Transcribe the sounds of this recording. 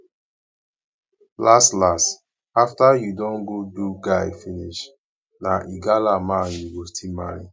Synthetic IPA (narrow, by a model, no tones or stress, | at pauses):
lastlast | aftajudɔ̃nɡoduɡaɪfiniʃ | naʔiɡalamãnjuwostimaɹḭ